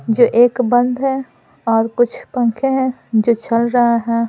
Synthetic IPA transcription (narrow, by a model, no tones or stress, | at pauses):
d͡ʒoːʔeːkbɐ̃nd̪ɦɛ̃ː | ɔːɾkʊt͡ʃʰpɐ̃ŋkʰẽɦɛ̃ | d͡ʒoːt͡ʃɐlɾɐɦaɦɛː